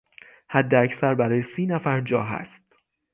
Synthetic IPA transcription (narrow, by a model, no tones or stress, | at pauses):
hæd̪ːeæcʰsæɾbæɾɒːjesiːnæfæɾd͡ʒɒːɦæ̰st̪